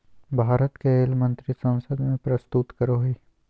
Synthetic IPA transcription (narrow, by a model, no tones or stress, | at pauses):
bʱaːɾət̪keɪlmə̃nt̪ɾisɐ̃w̃səd̪mẽpɾɐst̪ut̪kəɾoɦiː